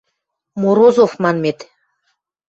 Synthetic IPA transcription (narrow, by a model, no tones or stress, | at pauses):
moɾozofmɑnmet̪